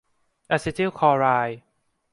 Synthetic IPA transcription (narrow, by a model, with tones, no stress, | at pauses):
ʔa˧si˧t̪i˥˩kʰɔː˧ɾaː˧j